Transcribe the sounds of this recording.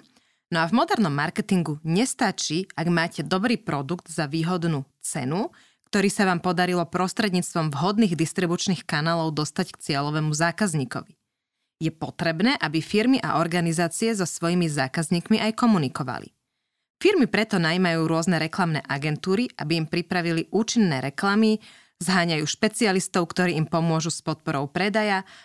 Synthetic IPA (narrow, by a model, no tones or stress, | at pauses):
nɔavmɔd̪ɛɾnɔmːaɾkɛt̪iŋɡuɲɛst̪at͡ʃiːaɡmaːcɛd̪ɔbɾiːpɾɔd̪uɡd̪zaʋiːɦɔd̪nuː | t͡sɛ̰nu | kt̪ɔɾiːsaʋaːmpɔd̪aɾilɔpɾɔst̪ɾɛd̪ɲiːt͡st̪ʋɔmvɦɔd̪niːɣd̪ist̪ɾibut͡ʃniːxkanaːlɔʊd̪ɔst̪ackt͡sɪɛlɔʋɛːmuzaːkazɲiːkɔ̰ʋi | jɛpɔt̪ɾɛbnɛːʔabifiɾmiʔa̰ʔɔɾɡanizaːt͡siɛzɔsʋɔjimizaːkazɲiːkmiʔajkɔmunikɔʋa̰lḭ | fiɾmipɾɛt̪ɔnajmajuːɾʊɔznɛɾɛklamnɛ̰ːʔaɡɛnt̪uːɾiʔa̰biːmpɾipɾaʋiliʔuːt͡ʃinːɛːɾɛklami | zɦaːɲajuːʃpɛt͡sialist̪ɔʊkt̪ɔɾiːimpɔmʊɔʒuspɔt̪̚pɔɾɔʊpɾɛd̪aja